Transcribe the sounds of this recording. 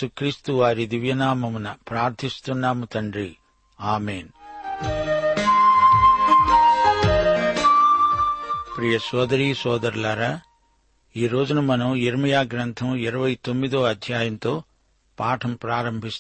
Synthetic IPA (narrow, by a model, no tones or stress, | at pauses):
ukɾiːst̪uʋaːɾid̪iʋjɐnaːmɐmunɐpɾaːɾt̪ʰist̪unːaːmut̪ɐɳɖɾi | aːmeːn | pɾijɐsɔːd̪ɐɾiːsɔːd̪ɐɾlaːɾaː | iːɾoːd͡ʒunɐmɐnɐmiɾɐmɐjaːɡɾɐnt̪ʰɐmiɾɐʋɐjt̪o̞mːid̪oːɐd̪ʱjaːjɐnt̪o̞ː | paːʈʰɐmpɾaːɾɐmbʱist̪